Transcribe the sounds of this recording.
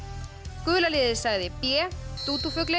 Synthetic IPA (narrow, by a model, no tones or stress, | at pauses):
kʏːlaliːðɪ̥saɣðɪpjɛt̪uːt̪ufʏklɪ